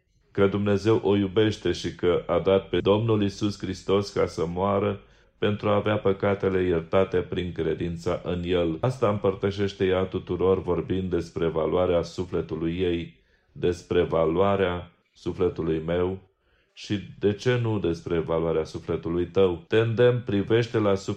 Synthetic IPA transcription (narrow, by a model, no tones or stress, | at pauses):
kəd̪umne̞ze̞wʔo̞jube̞ʃt̪e̞ʃikəʔad̪at̪̚pe̞d̪o̞mnulisuskɾist̪o̞skasəmoaɾə | pe̞nt̪ɾuaːveapəkat̪e̞le̞jert̪at̪e̞pɾiŋkɾe̞d̪int̪saʔɨnje̞last̪aɨmpərt̪əʃe̞ʃt̪e̞jat̪ut̪uɾo̞rvo̞rbind̪e̞spɾe̞valuaɾeasufle̞t̪ulujːe̞j | d̪e̞spɾe̞valwaɾea | sufle̞t̪ulujme̞w | ʃid̪e̞t͡ʃe̞nud̪e̞spɾe̞valuaɾeasufle̞t̪ulujt̪əwt̪e̞ɨnd̪e̞mpɾive̞ʃt̪e̞lasu